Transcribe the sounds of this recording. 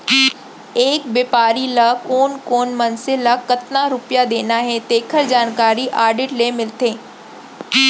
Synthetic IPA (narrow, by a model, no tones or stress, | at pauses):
eːkbeːpaːɾilakoːnkoːnmɐnsɪlakɐt̪naɾʊpjad̪eːnaɦɛ̃t̪eːkʰəɾd͡ʑaːnkaːɾiʔaːɾɖɪʈleːmɪlt̪eː